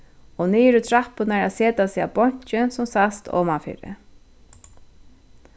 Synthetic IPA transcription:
ɔniːɾʊt̪ʰɾahpʏnaɹaseːt̪asiːabɔɲ̥t͡ʃɪnsʊmsast̪ʰɔ̰ːmafḭːɾɪ̰

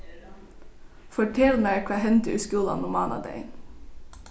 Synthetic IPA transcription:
fɔʈʰɛlmækʰʋɑːhɛnt̪əʉːskuːlɑ̰nʊmɑːnɑ̰d̪æ̰ɪn

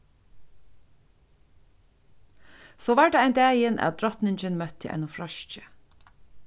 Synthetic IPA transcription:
soːʋaːɹd̪ɑæɪnd̪æːjənʔæ̰t̪̚d̪ɾɔt̪nɪɲt͡ʃənmœt̪ʰːə̰ʔɛ̰ɪnʊfɾɔʃcə̥

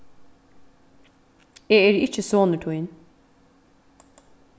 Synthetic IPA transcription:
eːɛːɾɪt͡ʃːəsoːnəʈʰujn

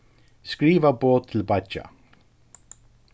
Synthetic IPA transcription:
skɹiːvəboːtt̪ʰːɪlbat͡ʃa̰

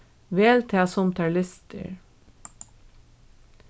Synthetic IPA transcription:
ʋeːlt̪ʰɑːsɔmt̪ʰɑːɭʏst̪ʰə̰ɹ

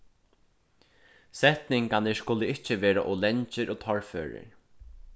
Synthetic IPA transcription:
sɛht̪nɪŋkanɪskʊlɪɪht͡ʃɪʋeːɾa̰ʔolɛɲt͡ʃɪɾʔoːt̪ʰɔɹfø̰ːɹɪ̰ɹ

